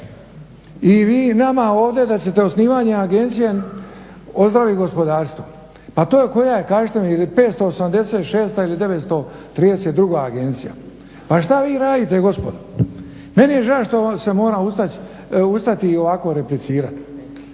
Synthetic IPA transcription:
iʋiːnamao̞ːʋd̪e̞d̪at͡ɕe̞t̪e̞osniːʋaːɲe̞aɡe̞nt̪sije | o̞zd̪ɾaʋiɡo̞spo̞d̪aːɾst̪ʋo | pat̪o̞ːjeko̞jaje̞kaːʒet̪emlipe̞ːt̪st̪o̞ːsamd̪e̞se̞ːt̪ʃeːst̪ailid̪e̞ʋe̞t̪st̪o̞t̪ɾiːd̪eset̪̚d̪ɾuɡaːɡe̞nt̪sija̰ | paʃt̪aʋiːɾaːd̪it̪e̞ɡo̞spo̞d̪o | me̞nije̞ʒaʃt̪o̞se̞mo̞ːɾaust̪a | ust̪at̪io̞ʋako̞ɾe̞plit̪siːɾa̰t̪

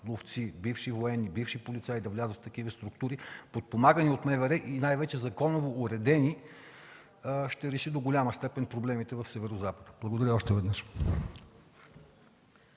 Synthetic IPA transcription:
lˠoft̪sibifʃivoɛnːibifʃipolʲit̪sajd̪ɐvlʲazət̪t̪ɐkivəst̪ɾuk̚t̪uɾipot̪̚pomaɡəniot̪mɛvɛɾɛʔinajvɛt͡ʃɛzɐkɔnovoːɾɛd̪ɛni | ʃt̪ɛɾɛʃid̪oɡolʲaməst̪ɛpɛnpɾoblɛmit̪ɛvɐfsɛvɛɾozapəd̪ə̥blˠɐɡod̪ɐɾʲəɔʃt̪ɛvɛd̪nəʃ

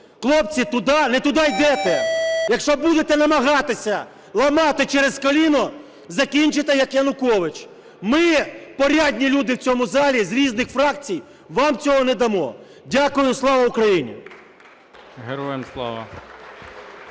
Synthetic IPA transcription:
xlˠɔp̚t͡sʲit̪ʊd̪ɑnɛt̪ʊd̪ɑjd̪ɛt̪ɛjɐkʃt͡ʃɔbud̪et̪ɛnɐmɐɦɑt̪ɪsʲɐ | lˠɐmɑt̪ɪt͡ʃɛɾezkɔlʲinɔ | zɐkʲinʲt͡ʃɪt̪ɛjɐkjɐnʊkɔʋɪt͡ʃ | mɪpɔɾʲadʲnʲilʲud̪ɪwt͡sʲɔmʊzɑlʲizɾʲiznɪxfɾɑkt͡sʲij | ʋɑmt͡sʲɔɦɔnɛd̪ɐmɔ̰ | dʲakʊjʊslˠɑʋɐʊkɾɐjinʲḭ | ɦeɾɔjemslˠɑ̰ʋɐ̰

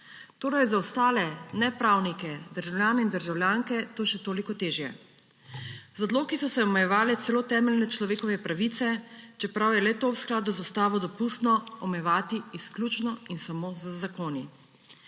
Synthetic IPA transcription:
t̪oːɾajzaɔst̪aːlɛnɛpɾawnikɛd̪əɾʒawlʲjaːnɛind̪əɾʒawljaːŋkɛt̪oːʃɛt̪oːlikɔt̪eːʒjɛ̰ | zad̪loːkisɔsɛɔmɛjɛʋaːlɛt̪sɛloːt̪ɛːmɛlnɛt͡ʃlɔʋeːkɔʋɛpɾaʋit̪sɛt͡ʃɛpɾawjɛlɛt̪owsklaːd̪uzast̪aːʋɔd̪ɔpust̪nɔɔmɛjɛʋaːt̪iːsklʲjut͡ʃnɔinsamozzakoːni

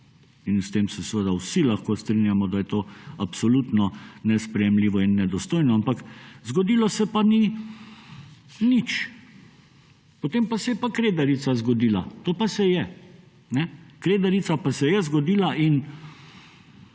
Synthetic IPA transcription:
inst̪eːmsɛsʋəd̪awsilaxkost̪ɾinjamɔd̪ajɛt̪oːapsɔlut̪nɔnɛspɾɛjɛmliːʋɔinːɛd̪ɔst̪oːjnɔampakzɡɔd̪iːlɔsɛpani | nit͡ʃ | pot̪eːmpasɛjɛpakɾeːd̪aɾit̪sazɡɔd̪iːla̰t̪oːpasɛjɛ | nɛkɾeːd̪aɾit̪sapasɛjɛzɡɔd̪iːlaʔin

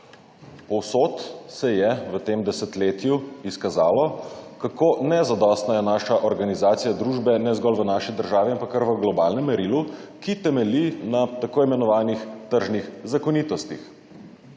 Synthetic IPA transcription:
pɔwsoːt̪sɛjɛʋət̪eːmd̪ɛsɛt̪leːt̪juiskazaːlɔkakoːnɛzad̪ɔst̪najɛnaːʃaʔɔɾɡanizaːt̪sijad̪ɾuːʒbɛnɛzɡɔlʋənaːʃid̪əɾʒaːʋiampakːəɾʋəɡlɔbaːlnɛmːɛɾilukit̪ɛmɛlinat̪akoːimɛnɔʋaːnixt̪əɾʒnixzakɔniːt̪ɔst̪ix

